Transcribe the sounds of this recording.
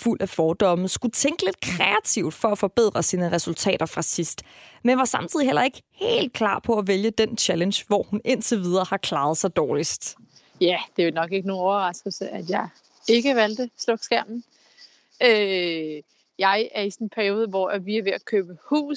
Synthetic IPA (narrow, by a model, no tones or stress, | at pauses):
ful̰ʔæfɒːd̥ɒ̽mð̩ˠsɡ̥ut͡sʰeŋɡ̥əle̝d̥kʰʁɛæt͡sʰiʊd̥fɒ̽æfɒ̽b̥e̝ð̞̰ˠʁɐsiːnəʁɛsult͡sʰɛ̰ːɾ̥ɐfʁɑ̈sisd̥menʋɑ̈sɑ̈mt͡sʰiðˠihel̰ɐe̝ɡ̥əhe̝̰ːld̥̚kʰlɑ̰̈ːpʰɒ̽æʋeljəd̥ent͡ɕʰælənɕʋɒ̰hune̝nt͡sʰeʋið̞ˠɐhɑ̈kʰlɑ̈ːð̩ˠsɑ̈ɪd̥ɒːlisd̥ | jæd̥e̝ʋelnɒ̽ɡ̥e̝ɡ̥əno̝ːnɒʊɐʁɑ̈sɡ̥əl̩səʔæd̥jɑ̈ɪ | e̝ɡ̥əʋæld̥əslɔɡ̥sɡ̥æɐ̰mn̩ | ø | jɑ̈ɪæɐisɔnpʰæɐio̝ːð̞ˠəʋɒæʋiæʋe̝ækʰøːb̥əhṵː